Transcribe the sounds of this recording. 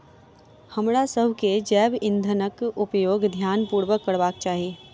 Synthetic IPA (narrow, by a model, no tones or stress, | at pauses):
hɐmɽasəɦked͡ʒɛːbɪ̃nd̪ʱənəkʊpjoːɡd̪ʱjaːnpuːɾʋəkːəɽʋaːkt͡ʃaːɦijeː